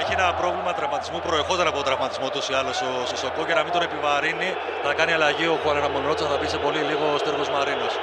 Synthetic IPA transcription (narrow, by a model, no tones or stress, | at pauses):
eçienɐpɾo̞vlimɐt̪ɾɐvmɐt̪izmupɾoexot̪ɐɾɐpotot̪ɾɐvmɐt̪izmo̞t̪usiɐlosososokocenɐmind̪one̞pivɐɾini | θɐkɐniɐlɐʝio̞xuɐnenɐmonot̪sɐθɐpisepo̞liliɣo̞st̪eɾɣozmɐɾinos